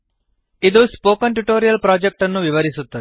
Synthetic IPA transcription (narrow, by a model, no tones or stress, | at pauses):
id̪uspoːkɐnʈuʈoːɾijɐlpɾaːd͡ʒek̚ʈɐnːuʋiʋɐɾisut̪ːɐt̪i̥